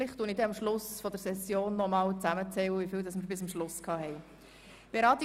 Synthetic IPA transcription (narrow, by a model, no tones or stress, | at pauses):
lɪχt̪ːuːənɪdɛɑmʃlʊsfɔd̪əɾsɛsjoːnːɔmɑːwt͡sæmət͡sɛwəʋifiːwdɑsmɪɾbɪsɑmʃlʊskʰɑːhɛj | b̥eɾɑːt̪i